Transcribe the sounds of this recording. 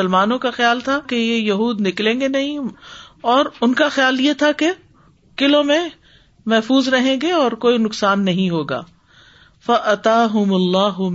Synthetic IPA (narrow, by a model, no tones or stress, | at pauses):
əlmaːnõkaxɪjaːlt̪ʰakejejɐɦuːd̪nɪklẽːɡenɐɦĩ | ɔːɾʊnkaxjaːljet̪ʰake | kɪlõmẽ | mɛɦfuːzɾɐɦẽːɡeɔːɾkoːinʊksaːnːɐɦĩɦoːɡa̰ː | fɐʔɐt̪aːɦʊmɐlːaːɦʊ